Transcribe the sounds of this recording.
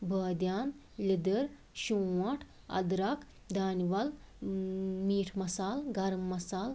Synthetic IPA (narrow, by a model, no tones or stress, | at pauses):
bʱəːd̪jaːn | lʲid̪əɾ | ɕũwɐʈʰ | ɐ̰d̪ɾak | d̪aːniʋɐl | miːʈʰmɐsaːlɡɐɾmːɐsaːl